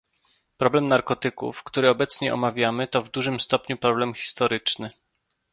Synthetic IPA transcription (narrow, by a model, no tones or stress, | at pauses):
pɾɔblɛmnaɾkɔt̪ɘkṵfkt̪uɾɘɔbɛt̪sɲɛʔɔ̰mavʲjamɘt̪ɔvd̪uʐɘmst̪ɔpɲupɾɔblɛmxʲi̥st̪ɔɾɘt͡ʂnɘ